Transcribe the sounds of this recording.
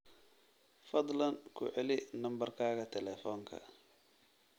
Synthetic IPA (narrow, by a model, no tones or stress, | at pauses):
fɐd̪ˤlɐnkʰʊʕɛlɪnɐmbɐrkʰaːɣɐt̪ʰɛlɛːfɔːŋkʰɐ̰